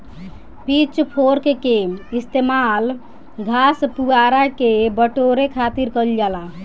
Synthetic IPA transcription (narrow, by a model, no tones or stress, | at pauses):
pit͡ʃpʰoɾkekeist̪emal | ɡʱaspuaɾakebəʈoɾekʰat̪iɾkəld͡ʒala